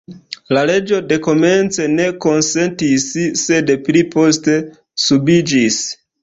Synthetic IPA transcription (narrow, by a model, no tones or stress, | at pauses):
lale̞d͡ʒo̞de̞ko̞me̞nt͡se̞ne̞ko̞nse̞ntisːe̞dplipo̞ste̞ | subid͡ʒis